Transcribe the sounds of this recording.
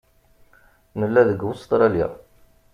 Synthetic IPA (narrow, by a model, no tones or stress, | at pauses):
nəlːæðəɡwust̪ˤɾˤɑljḭ